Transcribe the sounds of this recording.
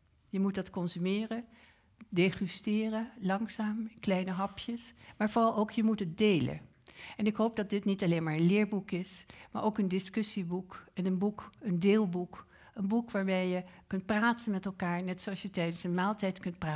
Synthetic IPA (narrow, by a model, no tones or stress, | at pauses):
jəmutdɑtkɔnzymɪːrə | deχystɪːrəlɑŋzaːmɪklɛjnəɦɑpʰjəsmaːɹvoːrɑlˠowkjəmutɦət̚dejlə̰ | ɛnɪkɦowp̚dɑt̚dɪtnitɑlejnmaːɹə̃nlɪːɹbukɪsma̰ːɹʔowkəndɪskɵsibukɛnənbukəndɪːlˠbuk | ənbukʋaːɹbɛjjəkɵnt̚praːtənmɛtɛlˠkaːɹnɛtsoɑsjətɛjdənsənmaːlˠtɛjtkɵntpraː